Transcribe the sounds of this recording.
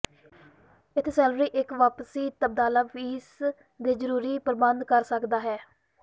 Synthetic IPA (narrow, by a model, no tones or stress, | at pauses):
ɪt̪ʰeːsɛːlɾiːʔɪkʋaːpəsiːt̪əb̚d̪aːlaːfʰiːs | d̪eːzəɾuːɾiːpəɾbənd̪kəɾsəkd̪aːɦɛː